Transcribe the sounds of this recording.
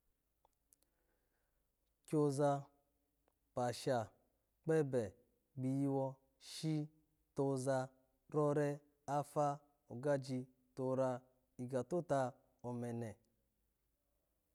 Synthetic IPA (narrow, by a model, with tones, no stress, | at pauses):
kʲo˦za˧ | pa˨ʃa˨ | k͡pɛ˦bɛ˨ | ɡ͡bi˨ji˦wɔ˧ | ʃi˦ | to˧za˧ | ɾɔ˦ɾɛ˦ | a˦fa˦ | o˨ɡa˦d͡ʒi˧ | to˨˧ɾa˧ | i˨ɡa˨to˦ta˧ | o˨mɛ˨nɛ˨